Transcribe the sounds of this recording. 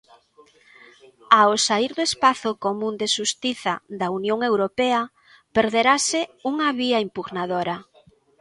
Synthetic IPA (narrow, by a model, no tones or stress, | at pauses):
aosaiɾðoespaθokomũnd̪eʃust̪iθaðaunjoŋewɾopɛɐ | peɾðeɾasɪuŋɐβiaimpuɣnaðoɾɐ